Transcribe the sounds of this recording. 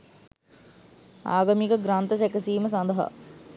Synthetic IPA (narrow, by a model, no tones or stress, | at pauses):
a̰ːɡamikəɡɾant̪əsekəsiːməsand̪ɐɦa̰